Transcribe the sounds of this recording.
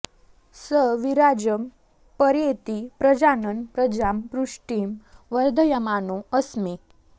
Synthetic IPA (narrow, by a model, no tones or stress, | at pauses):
səʋiɾad͡ʑəm | pəɾjet̪ipɾəd͡ʑanənpɾəd͡ʑampɾuʂʈimʋəɾd̪ʱəjəmanuəsmi